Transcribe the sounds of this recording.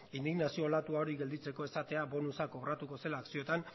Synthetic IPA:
ind̪iɣnasio̞lat̪uaoɾiɣe̞ld̪it͡se̞ko̞e̞sat̪e̞abo̞nusako̞ɣɾat̪uko̞se̞laːksio̞t̪an

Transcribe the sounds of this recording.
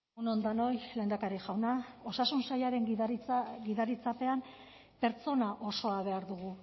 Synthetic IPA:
unond̪ano̞jle̞ːnd̪akaɾiʝawnao̞sasunsajaɾe̞ŋ | ɡiðaɾit͡sape̞am | pe̞ɾt͡so̞naʔo̞so̞aβe̞aɾðuɣu

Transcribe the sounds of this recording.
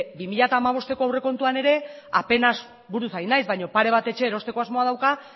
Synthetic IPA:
bimiʎat̪aːmaβ̞o̞st̪e̞ko̞awre̞ko̞nt̪uane̞ɾe̞ape̞nas | buɾusajnajzβajɲo̞paɾe̞β̞at̪e̞t͡ʃe̞ːɾo̞st̪e̞ko̞azmo̞að̞awka

